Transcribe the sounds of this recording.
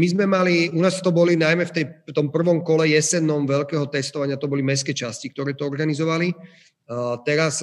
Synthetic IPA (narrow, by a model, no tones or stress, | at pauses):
mizmɛmaliunaːst̪ɔbɔlinajmɛft̪ɛjt̪ɔmpr̩ʋɔmkɔlɛjɛsɛnɔmʋɛʎkɛːɦɔt̪ɛst̪ɔʋaɲɪat̪ɔbɔlimɛs̬kɛːt͡ʃascikt̪ɔɾɛːt̪ɔɔɾɡanizɔʋali | t̪ɛɾas